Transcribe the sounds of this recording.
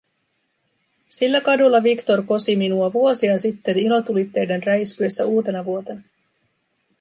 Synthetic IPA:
silːækɑdulːɑʋikt̪o̞rko̞siminuɑʋuo̞siɑsit̪ːe̞nilo̞t̪ulit̪ːe̞jdænræjskye̞sːæuːt̪e̞nɑʋuo̞t̪e̞nɑ

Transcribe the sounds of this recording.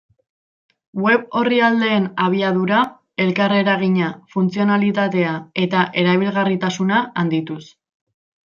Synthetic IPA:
we̞βo̞riald̪e̞ːnaβ̞iaðuɾa | e̞lkare̞ɾaɣ̞iɲafunt͡sio̞nalit̪at̪e̞ae̞t̪aʔe̞ɾaβ̞ilɣarit̪asunaand̪it̪us

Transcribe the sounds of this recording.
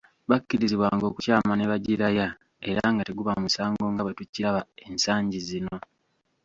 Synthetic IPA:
βakːiɾiziβwaːŋɡo̞ːkucaːmaneβaɟiɾaja | e̞ɾaŋɡateɡuβamusaːŋɡo̞ŋɡaβetucːiɾaβae̞nsaːɲɟizino̞

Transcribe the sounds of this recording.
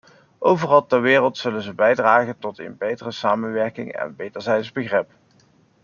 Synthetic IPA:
ʔowvərɑlˠtɛɹʋɪːrəlˠtsɵlənzəbɛjdraːχəntɔtɪ̰nbejtərəsaːmənʋɛɹkɪŋɛ̰nbejdəɹzɛjtzbəχrɪp

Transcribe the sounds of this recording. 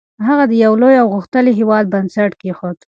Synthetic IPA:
ɦaɣad̪əjawlojawɣʊxt̪əliɦewɑd̪̚bansaʈkexot̪

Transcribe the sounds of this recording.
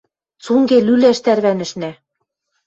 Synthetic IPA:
suŋɡelylæʃt̪æɾβænɘ̆ʃnæ

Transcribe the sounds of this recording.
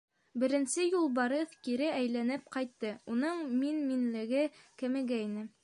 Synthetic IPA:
bɘ̆ɾɘ̆nsɘjulˠbɑɾɤθkiɾɘæjlænɘpqɑjt̪ːɤunɤɴminminlɘ̆ɡɘkɘ̆mɘ̆ɡæinɘ

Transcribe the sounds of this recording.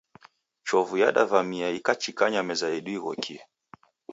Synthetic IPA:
t͡ʃɔvuja̰ɗa̰vamiaikat͡ʃikaɲamɛzaiɗuiɣɔ̰kʰia

